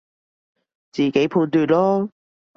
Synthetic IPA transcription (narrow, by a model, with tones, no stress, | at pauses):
t͡siː˨˩ke˨˥jpʰuː˧nt̪yː˧t̚lɔː˥